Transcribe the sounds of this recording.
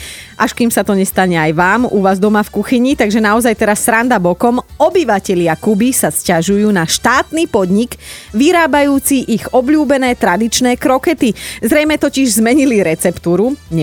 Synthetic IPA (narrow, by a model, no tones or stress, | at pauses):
ʔaʃkimsat̪ɔɲɛst̪aɲɛajʋaːmuʋaːzd̪ɔmafkuxiɲit̪aɡʒɛnaɔzajt̪ɛɾasːɾand̪abɔkɔmɔbiʋacɛʎɪakubisascaʒujuːnaʃt̪aːt̪niːpɔd̪ɲiɡʋiɾaːbajuːt͡siʔiɣɔbʎuːbɛnɛːt̪ɾad̪it͡ʃnɛːkɾɔkɛt̪izɾɛjmɛt̪ɔciʒzmɛɲiliɾɛt͡sɛpt̪uːɾuɲ